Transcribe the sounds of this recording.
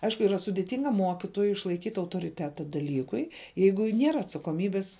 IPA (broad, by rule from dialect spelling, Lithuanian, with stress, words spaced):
ˈɐɪʃkʊ iːˈrɐ sʊdʲɪˈtʲɪŋɡɐ ˈmuɔkʲɪtoːjʊɪ ɪʃlˠɐɪˈkʲiːtʲ ɐʊtoːrʲɪˈtʲæːtɐ dɐˈlʲiːkʊɪ ˈjɛɪɡʊ ˈnʲiɛrɐ ɐtsɐkoːˈmʲiːbʲɪs